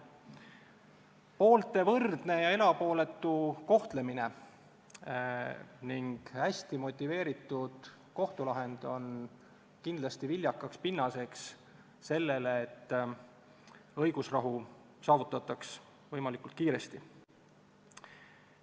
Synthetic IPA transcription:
po̞ːlt̪ːe̞vɤrd̪̥ne̞jɑe̞lɑpo̞ːle̞t̪ːˑuko̞ht̪le̞mine̞ | niŋɡ̥hæsʲt̪imo̞t̪ʲːˑive̞ːɾit̪ːˑud̪̥ | ko̞ht̪ulɑɦe̞nd̪̥o̞n | kind̪̥lɑst̪ivilʲjɑkːˑɑkspinːɑse̞ks | se̞lːe̞leːt̪ː | ɤjɡ̥usrɑɦu | sɑːvut̪ːˑɑt̪ːˑɑks | vɤjmɑlikˑult̪̚kiːɾe̞st̪i

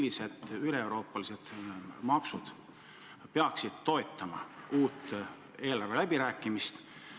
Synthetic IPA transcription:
lːise̞d̪̥yle̞ːwɾo̞ːpːˑɑlise̞d̪̥mɑksud̪̥ | peɑksid̪̥̚t̪o̞e̞t̪ːˑɑmɑ̰uːt̪ː | e̞ːlɑrve̞læbiɾæːkːˑimist̪

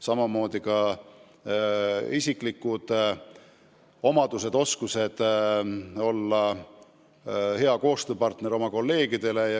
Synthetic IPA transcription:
sɑmɑmo̞ːd̪̥ikɑ | isʲikˑlikːud̪̥ | o̞mɑd̪us̬e̞d̪̥o̞skuse̞d̪̥ | o̞lːɑ | he̞ɑko̞ːst̪øːpɑrt̪ne̞ɾo̞mɑko̞lːe̞ːɡid̪̥e̞le̞jɑ

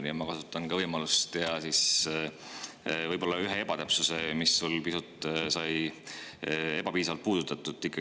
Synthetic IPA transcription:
niɑmɑkɑsu̥t̪ːˑɑnkɑvɤjmɑlust̪ːeɑsis | vɤjb̥o̞lːɑyɦe̞e̞b̥ɑt̪æpsuse̞misːulpisut̪ːˑsɑj | e̞b̥ɑpiːs̬ɑvɑlt̪̚puːd̪̥ut̪ːˑɑt̪ːˑut̪ːˑikːˑɑ

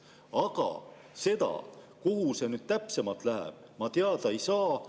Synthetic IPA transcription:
ɑɡ̥ɑ̰ | se̞d̪ɑ̰ | kuhuse̞nyd̪̥̚t̪æpse̞mɑt̪ˑlæɦḛb̥ | mɑt̪eɑd̪ɑejsɑː

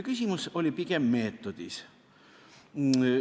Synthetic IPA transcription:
kysʲimuso̞lʲipiɡemːe̞ːt̪ːˑod̪̥is

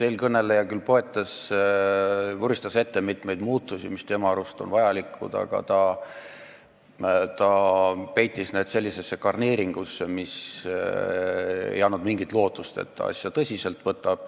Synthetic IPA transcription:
selkɤnːe̞lːejɑkylpo̞e̞t̪ːˑɑs | uɾist̪ɑse̞t̪ːemit̪me̞jd̪̥muːt̪ːˑusʲimist̪e̞mɑɑɾust̪o̞nvɑjɑlikʰːˑṵd̪̥ɑ̰ɡ̥ɑ̰t̪ɑ | t̪ɑpe̞jt̪ːˑisne̞d̪̥se̞lʲːise̞sːekɑrneːɾiŋɡ̥usːemis | ḛjɑnːud̪miŋɡit̪ˑlo̞ːt̪ːˑust̪e̞̰t̪ːɑ̰ɑ̰sʲjɑt̪ɤsʲise̞lt̪ːˑvɤt̪ːˑɑb̥̚

